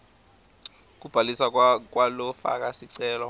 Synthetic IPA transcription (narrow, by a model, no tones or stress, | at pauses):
k̬ub̥ʱalisak̬walɔfa̰k̬ʼasiǀɛːlɔ